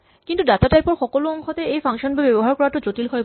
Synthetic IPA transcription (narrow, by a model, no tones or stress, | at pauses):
kint̪uɖat̪aʈaeɾpɔɾxʰɔkoloɔŋkʰot̪eejfaŋʃonbebɛboɦaɾkɔɾaɾʈod͡ʑoʈilkʰɔe